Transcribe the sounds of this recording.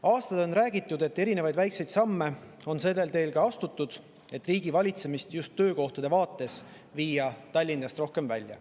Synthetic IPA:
ɑːst̪ɑd̪o̞nræːɡ̥it̪ːˑud̪e̞t̪ːe̞ɾine̞vɑjd̪væjkse̞jd̪̥sɑmːe̞ | o̞nse̞lːe̞lt̪e̞ːlkɑɑst̪ut̪ˑːud̪̥ | e̞t̪ːˑriːɡ̥ivɑlʲit̪se̞mist̪just̪ːøːko̞ht̪ɑd̪̥e̞vɑːt̪ˑːe̞s | viːjɑt̪ɑlʲːinːɑst̪ro̞hke̞mvæ̰lʲjɑ̰

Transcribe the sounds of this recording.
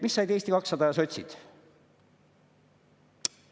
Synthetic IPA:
misːɑjd̪eːsʲt̪ikɑksːɑd̪ɑjɑso̞t̪ʲsʲḭd̪̥

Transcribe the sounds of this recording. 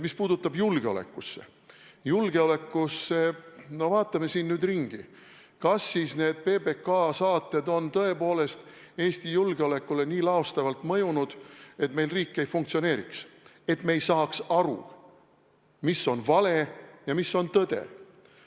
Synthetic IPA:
mispuːd̪̥ut̪ːˑɑbjulɡ̥eo̞lḛkːˑusːe̞̰ | julɡ̥e̞o̞le̞kːˑusːe̞no̞vɑːt̪ːˑɑme̞siːnnyːd̪riŋɡ̥i | kɑsːisne̞ːd̪̥̚pe̞be̞kɑsɑːt̪ːˑe̞d̪o̞nt̪ɤe̞po̞ːle̞st̪ | e̞ːst̪ijulɡ̥eole̞kːˑule̞niːlɑost̪ɑvɑlt̪mɤjunud̪̥e̞t̪me̞jlriːkːe̞jfuŋk̚t̪sione̞ːɾḭks | e̞t̪me̞jsɑːksɑɾṵ | miso̞nvɑle̞jɑmisːo̞nt̪ɤd̪̥e̞̰

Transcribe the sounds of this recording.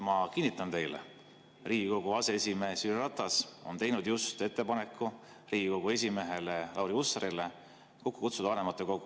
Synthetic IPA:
mɑkinːit̪ːˑɑnt̪e̞jlḛ | riːɡ̥iko̞ɡ̥uɑse̞esʲime̞ːsyrrɑt̪ːˑɑso̞̰nt̪e̞jnud̪̥just̪e̞t̪ˑːe̞pɑnekːu | riːɡiko̞ɡ̥ue̞s̬ʲime̞ɦe̞lelɑwɾiusːɑɾile̞ | kokːu̥kut̪sud̪ɑvɑne̞mɑt̪ːˑeko̞ɡ̥u

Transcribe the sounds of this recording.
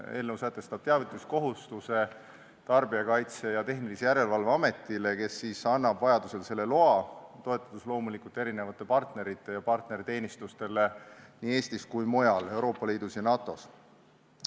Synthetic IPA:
e̞ːlnəwsæt̪ːˑe̞st̪ɑb̥̚t̪eɑvit̪ˑlusko̞ɦust̪use̞ | t̪ɑrbiɑkɑjt̪se̞jɑt̪e̞ɦnilisejæɾe̞lvɑlveɑme̞t̪ːˑile̞ke̞sːiːsɑnːɑbvɑjɑd̪use̞lse̞lːe̞lo̞ɑt̪o̞e̞t̪ːˑɑ̥t̪uslo̞ːmulikult̪e̞ɾine̞vɑt̪ːˑe̞pɑrt̪ne̞ɾit̪ːˑe̞jɑpɑrt̪ne̞ɾit̪e̞ːnist̪ust̪e̞le̞niːe̞ːst̪iskujmo̞jɑle̞wɾo̞ːpːˑɑliːd̪̥usjɑnɑːt̪ːˑo̞s

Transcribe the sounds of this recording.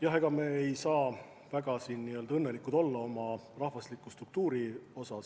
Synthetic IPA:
jɑɦeɡ̥ɑme̞ːejsɑː | væɡ̥ɑsiːnːiø̞ld̪ɑɤnːe̞likˑud̪o̞lːɑo̞mɑrɑhvɑslikːˑust̪ruk̚t̪uːɾio̞sɑs

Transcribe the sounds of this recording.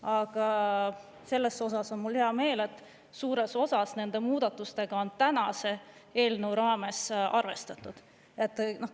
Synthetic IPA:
ɑɡ̥ɑ | se̞lːe̞so̞sɑso̞nmulheɑme̞ːle̞t̪ːˑ | suːɾe̞so̞sɑsne̞nd̪̥e̞muːd̪̥ɑt̪ːˑust̪e̞ɡ̥ɑo̞nt̪ænɑse̞e̞ːlnəwɾɑːme̞sʔɑrve̞st̪ɑt̪ːˑud̪̥ | e̞t̪ːˑno

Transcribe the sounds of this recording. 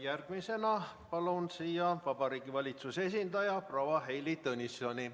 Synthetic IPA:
jærɡ̥mise̞nɑpɑlunsiːjɑvɑb̥ɑɾiːɡ̥ivɑlʲit̪suse̞s̬ind̪ɑjɑprowɑɦe̞jlit̪ɤnʲisonʲi

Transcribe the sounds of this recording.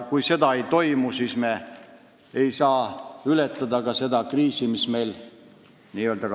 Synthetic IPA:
kujse̞d̪ɑe̞jt̪o̞jmusiːsme̞ | ejsɑːylet̪ːˑɑd̪ɑɡɑse̞d̪ɑkriːsimisme̞jl | niːøld̪ɑ

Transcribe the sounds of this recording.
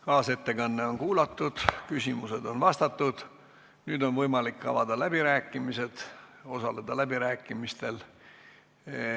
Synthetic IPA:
kɑːse̞t̪ːe̞kɑnːe̞o̞nkuːlɑt̪ːud̪̥kysʲimuse̞d̪̥o̞nvɑst̪ɑt̪ːud̪̥ | nyːd̪o̞nvɤjmɑlikːɑ̰vɑd̪ɑlæb̥iɾæːkːˑimise̞d̪̥o̞sɑle̞d̪̥ɑlæb̥iɾæːkːˑimist̪e̞l

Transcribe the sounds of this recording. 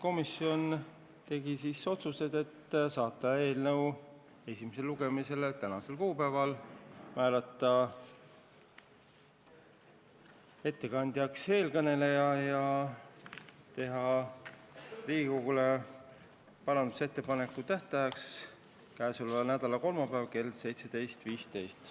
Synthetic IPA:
ko̞misio̞n | t̪e̞ɡisiso̞t̪suse̞d̪e̞t̪ːsɑːt̪ːˑɑe̞ːlnɤ̞w | e̞sʲimese̞lːuɡe̞mise̞let̪ænɑse̞lkuːpæːvɑlmæːlɑt̪ːˑɑ | e̞t̪ːe̞kɑnd̪̥jɑkse̞ːlkɤne̞le̞jɑjɑ | t̪e̞ɦɑ | riːɡikoɡ̥ule̞ | pɑɾɑnd̪u̥se̞t̪ːe̞pɑne̞kːˑut̪æht̪ɑjɑks | kæːsulvɑnæd̪ɑlɑko̞lmɑpæːvke̞lse̞jt̪se̞d̪e̞jst̪viːst̪e̞jst̪

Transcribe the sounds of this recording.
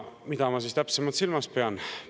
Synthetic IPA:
mid̪̥ɑmɑs̬ist̪æpsemɑt̪silmɑspe̞ɑn

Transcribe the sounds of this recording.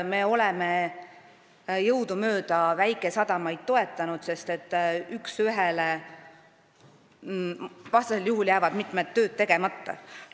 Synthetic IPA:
me̞o̞lɛme̞ | jɤwd̪̥umø̞ːd̪̥ɑvæjkˑe̞sɑd̪̥ɑmɑjd̪̥̚t̪o̞e̞t̪ːˑɑnud̪̥se̞st̪e̞t̪ːˑyksyɦele | vɑst̪ɑseljuɦuljæːvɑd̪̥mit̪ˑmed̪ːø̞ːd̪̥̚t̪ːe̞ɡ̥e̞mɑt̪ːɑ̰

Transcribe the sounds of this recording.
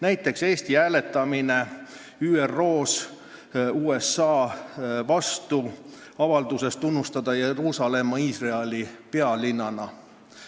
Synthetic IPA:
næjt̪ːˑe̞kse̞ːst̪iæːle̞t̪ːˑɑmine̞ | yːerːo̞ːs | uːe̞sːɑːvɑst̪uɑvɑld̪̥use̞st̪unːust̪ɑd̪̥ɑjeɾuːsɑle̞mːɑiːsreelʲipe̞ɑlinːɑnɑ

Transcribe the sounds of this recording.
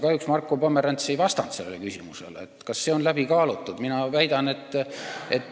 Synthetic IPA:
kɑjuksmɑrkːˑopomːeɾɑnt̪sejvɑst̪ɑnt̪selːelekysimusḛlet̪ːkɑsːe̞o̞nlæbikɑːlut̪ˑːud̪minɑvæjd̪̥ɑne̞t̪ːˑet̪ː

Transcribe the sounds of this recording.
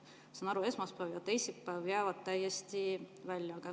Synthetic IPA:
sɑnɑɾue̞smɑspæːvjɑt̪ejsippːæːvjæːvɑd̪̚t̪æjest̪ivælʲjɑkæ

